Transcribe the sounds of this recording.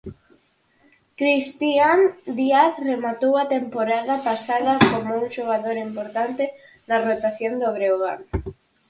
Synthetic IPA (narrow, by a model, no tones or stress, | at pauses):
kɾist̪iand̪iaθremat̪owat̪empoɾaðapasaðɐkomouŋʃoɣ̞aðoɾimpoɾt̪ant̪e | narot̪aθjond̪oβɾeoɣa̰n